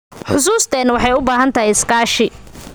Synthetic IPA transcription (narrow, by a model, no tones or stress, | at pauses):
ħʊs̬uːst̪ʰɛːnwɑħɑjʊbaːɦɐnt̪ʰɐhɛɪskaːʃɪ